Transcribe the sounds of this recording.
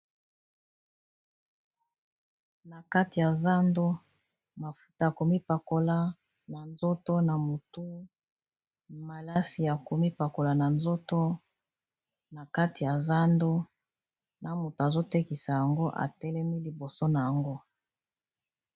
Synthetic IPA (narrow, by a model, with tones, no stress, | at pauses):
na˨ka˦ti˨ja˨za˦ndo˦ | ma˨fu̥˦ta˨a˨ko˨mi˦pa˨ko˦la˦ | na˨nzo˦to˦na˨mo˨tu˦ | ma˨la˦si˨ja˨ko˨mi˦pa˨ko˨la˨na˨nzo˦to˦ | na˨ka˦ti˨ja˨za˦ndo˦ | na˨mu˨ta˨zo˦tɛ˦ki˨sa˨ja˨ŋɡo˦ʔa̰˨tɛ˦lɛ˦mi˦li˨bo˨so˦na˨ja˨ŋɡo˦